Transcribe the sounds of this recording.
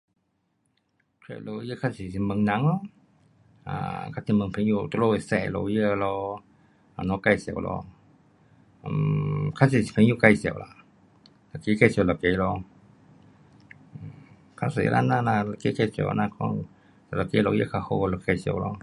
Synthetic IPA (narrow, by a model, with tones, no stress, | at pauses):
kʰḛ˧˨lo˧jə˧˨kʰa˧si˨si˧˨mə˨˧˦ŋna˧˦ŋlɔ˧ | a̰˧˨kʰa˧˥si˧˦mə˨ŋpʰe˨˧˦ŋju˧˨t̪u˧lo˧˨i˨sɛ̰˧˨lɔ̰˧jə˧˨lɔ˧ | a˨nɔ˧˦ka˧jsi˨ə̰˨wlɔ̰˧˨ | mkʰa˧˥si˧˨si˨pʰe˨˦ŋju˧˨ka˧˨jsə˨wla̰˧˨ | la˨ke˧˦ka˧˨si˨la˨ke˧˦lɔ˧˨ | kʰa˧˨sḛ˨˦lʔa̰˧˨na˧˨na˧a˧˨ke˧˦ka˧˩˨sḭ˨˧na˧kɔ˧ŋ | sa˧˨la˨ke˧˦lɔ˧˨˦jə̰˧˨kʰa˧ho˧˨la˧˨ka˧jsi˨ə̰˨wlɔ˧